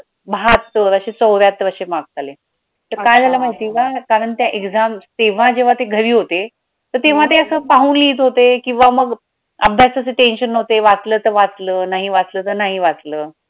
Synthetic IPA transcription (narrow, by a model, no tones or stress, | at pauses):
bʱat̪ːəɾəɕet͡səwʋjat̪ːəɾəɕemaɡ̚t̪ale | t̪əɾkajd͡zʱalam̤aɦit̪iːkakaɾəɳt̪jaʔeɡd͡zamst̪eʋ̤ãd͡ʑeʋ̤at̪eɡʱəɾiːɦot̪e | t̪əɾt̪eʋ̤aʈ̪eəsəːpaɦuːnliːt̪ɦot̪ekĩw̃ʋaməɡ | əbʱjasəseʈenɕənːəɦot̪eʋat͡sləːt̪əɾʋat͡sləːnaɦiʋat͡sləːt̪əɾnaɦiʋat͡sləː